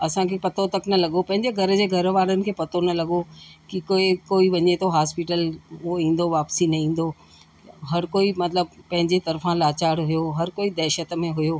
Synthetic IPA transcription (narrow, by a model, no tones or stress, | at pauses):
ɐsãkʰepɐt̪ʰot̪ɐknɐlɐɠopɐ̃ɦɪ̃ɲd͡ʑeɡʱɐɾd͡ʑeːɡʱɐɾʋaːɽənɪ̆kʰeːpɐt̪ʰonɐlɐɠokikoikoːiʋɐɲet̪ʰoɦaːspɪʈəlʊɦoĩːn̆d̪oʋaːpsinɐĩːn̆d̪o | ɦɐɾkoːimɐt̪ləb̚pɐ̃ɦɪ̃ɲd͡ʑet̪ɐɾfãlaːt͡ɕaːɽɦʊjoɦɐɾkoːid̪ɛːʃət̪mẽɦʊjoː